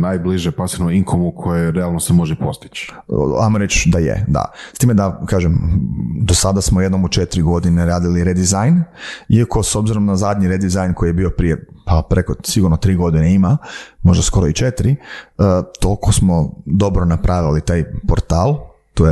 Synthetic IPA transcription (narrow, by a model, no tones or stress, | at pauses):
najbliʒepasinoiŋkʰomukʰojeɾealˠnosemo̞ʒepo̞st̪i̥t͡ʃ | a̰jmoɾet͡ʃd̪ajḛd̪a̰st̪iːmed̪akaːʒemd̪osad̪asmoje̞d̪no̞mut͡ʃet̪ɾiɡo̞d̪ineɾaːd̪iliɾed̪izajniako̞so̞bziɾo̞md̪azad̪ɲiɾed̪izajnkʰo̞jjebio̞pɾije̞papɾeko̞siɡuɾnot̪ɾiːɡo̞d̪ineimamo̞ʒd̪asko̞ɾoit͡ʃet̪ɾi | t̪olkosmo̞d̪o̞bɾo̞napɾʔaʋilit̪aːjpoɾt̪aːlˠ | t̪oje